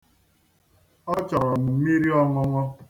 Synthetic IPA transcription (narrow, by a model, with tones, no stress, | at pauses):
ɔ˦t͡ʃɔ˨ɾɔ˨n̩˨˦mi˦ɾi˦ɔ˦ŋɔ˦ŋɔ˦